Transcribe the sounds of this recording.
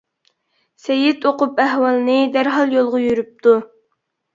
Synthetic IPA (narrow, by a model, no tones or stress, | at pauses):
sɛjit̪oqʊpæɦwɑlˠɨnɨd̪æɾɦɑlˠjolˠʁʊjyɾyp̚t̪ʰu